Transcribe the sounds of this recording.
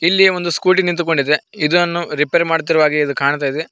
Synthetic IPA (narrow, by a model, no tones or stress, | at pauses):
ilːieʋond̪uskuːʈinint̪uko̞ɳɖid̪eid̪uɐnːuɾipeːɾmaːɽt̪̬iɾuʋaːɡeid̪ukaːɳt̪̬aːjd̪e